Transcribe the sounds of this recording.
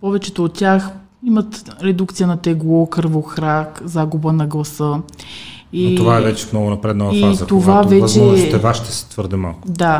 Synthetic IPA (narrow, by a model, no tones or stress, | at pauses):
pɔvɛt͡ʃɛt̪oːt̪̚tʲːjax | imɐt̪ɾɛd̪ukt̪sijənɐt̪ɛɡlˠɔkɤɾvoxɾakzaɡubənɐɡlˠɐsə | itovaɛvɛt͡ʃɛ̥fnɔɡʊnɐpɾɛd̪noiazɐt̪ovavɛvɐt͡ʃzɛɔst̪ɛvaʃit̪ɛsɛ̥t̪vəɾd̪ɛma̰lˠkʊd̪a